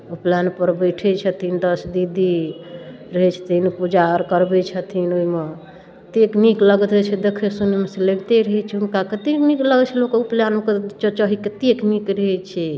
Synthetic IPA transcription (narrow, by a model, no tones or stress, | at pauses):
uplanpəɾbəjʈʰɛt͡ʃʰət̪ʰind̪əsd̪id̪i | ɾəɦɛt͡ʃʰt̪ʰinpud͡ʒaɾkəɾbɛt͡ʃʰət̪ʰinoɦime | t̪eknikləɡt̪ət͡ʃʰɛd̪ekʰesunemeseleɡt̪eɾəɦɛt͡ʃʰɛɦunkakət̪eknikləɡt͡ʃʰɛlokeuplanket͡ʃət͡ʃəɦikət̪eknikɾəɦɛt͡ʃʰɛ